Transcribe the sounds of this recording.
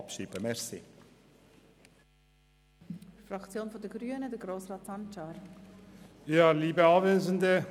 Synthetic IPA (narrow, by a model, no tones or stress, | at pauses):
ɑpʃiːbəmɛʁsḭ | frɑkt͡sjoːnfɔdəɡɾyːənədəɡɾoːsrɑːtsɑnt͡ʃɑɾ | jɑːliːbəɑveːzəndə